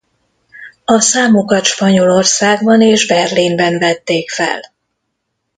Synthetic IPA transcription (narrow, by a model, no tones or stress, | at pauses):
ɒsaːmo̞kɒt̪ʃpɒɲo̞lo̞rsaːɡbɒneːʒbɛrlimbɛɱvɛt̪ːeːkfɛ̰l